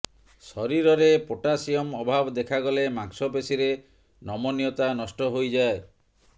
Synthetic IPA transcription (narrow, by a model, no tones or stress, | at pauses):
sɔɾiɾɔɾepoʈasijɔmɔbʱabɔd̪ekʰaɡɔlemaksɔpesiɾe | nɔmɔnijɔt̪anɔsʈɔɦojd͡ʒae